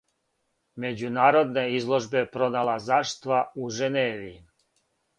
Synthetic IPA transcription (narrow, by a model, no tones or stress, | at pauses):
me̞d͡ʑunaːɾo̞d̪neizlˠo̞ʒbe̞pɾo̞nalazaʃt̪ʋauʒeneːʋii